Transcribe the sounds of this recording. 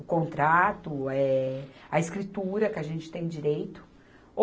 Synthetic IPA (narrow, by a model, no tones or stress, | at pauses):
ʊkõnt̪ɾat̪ʊɛɐɪskɾit̪uɾɐkɪɐʒẽnt͡ʃɪ̥t̪ẽj̃d͡ʒiɾejt̪ʊ̥